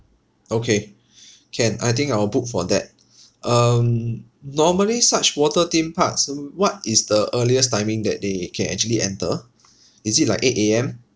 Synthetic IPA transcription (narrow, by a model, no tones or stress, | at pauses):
okʰe | kʰɛ̃na̰jt̪̬ĩŋkawəbuk̚fɔdɛ̰t̚ | ʔʌm | nɔməlisat͡ʃwɔtətĩmpʰatswɔt̚isdəʔəliəstãɪ̃mĩŋdɛ̰t̚dekʰɛ̃nɛ̰k̚t͡ʃuəliʔɛ̰̃ntə | isit̚laɪketeɛ̃m